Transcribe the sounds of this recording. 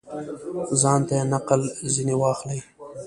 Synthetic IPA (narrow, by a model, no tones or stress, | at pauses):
zɑːnt̪anaqəlzinewɑxli